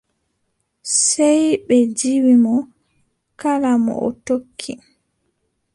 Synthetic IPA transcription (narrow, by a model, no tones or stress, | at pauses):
sɛjɓɛd͡ʒiwimɔ | kalamɔ̰ʔɔ̰tokʰːi